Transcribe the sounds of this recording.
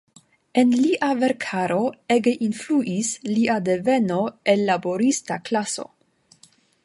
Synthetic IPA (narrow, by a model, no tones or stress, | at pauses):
e̞nliʔave̞ɾkʰaɾo̞eɡeʔinfluʔisliʔadeve̞no̞elːabo̞ɾistaklaso̞̰